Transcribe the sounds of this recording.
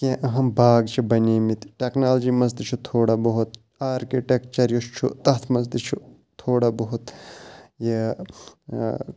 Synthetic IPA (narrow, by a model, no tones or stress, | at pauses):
kẽʔɐɦɐmbaːɡt͡ʃʰibɐniːmit̪ʈeknaːld͡ʒimɐs̬d̪it͡ʃʰut̪ʰoːɽabɐɦut̪ | aːɾkiʈekt͡ʃɐɾjust͡ʃʰṵt̪ɐt̪ʰmɐs̬d̪it͡ʃʰu | t̪ʰoːɽabɐɦut̪ | je